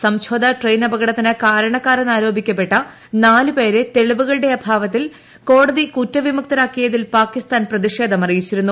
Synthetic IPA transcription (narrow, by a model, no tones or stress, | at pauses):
sɐmɕʰoːd̪ɐʈrejnɐbɐɣɐɽɐt̪ːɐnɐkaːɾɐɳɐkːaːɾɐnːaːɾo̞ːbʱikʲːɐp̬ːe̞ʈːɐ | naːlɨpe̞ːɾet̪e̞ɭiʋuɣɐɭɨɽe̞ɐbʱaːʋɐt̪ːil | ko̞ːɽɐðikutːɐʋimuk̚t̪ɐɾaːkːijɐðilpaːkist̪aːnprɐðiʂe̞ːd̪ʱɐmɐrijit͡ɕːiɾunːu